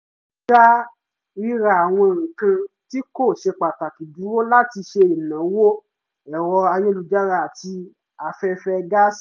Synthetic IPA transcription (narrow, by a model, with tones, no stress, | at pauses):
a˦ | ɾi˦ɾa˧˦˨a˨w̃ɔ̃˧˨ɾĩ˨kã˧ti˦ko˦˨ʃe˧k͡pa˨ta˨ki˨du˨˦ɾo˦la˦ti˧ʃe˧i˨nã˨˦wo˦ | ɛ˨wɔ˧a˧je˦lu˧d͡ʒa˦ɾa˧˦˨a˨ti˧ | a˨fɛ˧fɛ˧ɡa˦s